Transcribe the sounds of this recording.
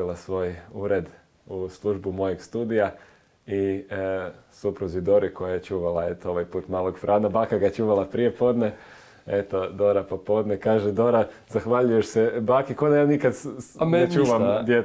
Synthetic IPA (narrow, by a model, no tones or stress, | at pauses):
ilˠasʋo̞ːjuɾe̞d̪ | uslˠuʒbumo̞jeɡst̪uːd̪ija | i | supɾuzid̪oɾiko̞jajet͡ʃuːʋalˠae̞t̪oo̞ʋajpuːt̪maːlˠoɡfɾʔaːnabaːkaɡat͡ʃuːʋalˠapɾije̞po̞d̪ne | e̞t̪o̞d̪o̞ɾapopo̞d̪nekaːʒed̪o̞ɾa | zaxʋaʎujeʃsebaːkikod̪ajaːnikad̪et͡ʃuːʋamd̪je